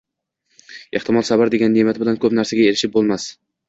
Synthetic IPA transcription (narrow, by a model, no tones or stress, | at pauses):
eht̪ʰɪmɒlˠsabaɾd̪e̞ɡʲanːemat̪ʰɪbɪlankʰɵpnaɾsaɡʲaelɪʃɪp̚bolˠmas